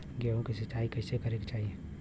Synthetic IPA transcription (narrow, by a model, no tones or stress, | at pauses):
ɡeõkisɐt͡ʃaːikɐɪsekəɾekt͡ʃaːɦie